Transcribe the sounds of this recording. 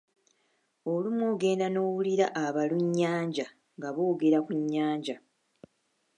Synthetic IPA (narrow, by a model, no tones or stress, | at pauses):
olumwoːɡe̞ːndano̞ːwuliɾaʔːβaluɲːaːɲɟa | ŋɡaβo̞ːɡe̞ɾakuɲːaːɲɟa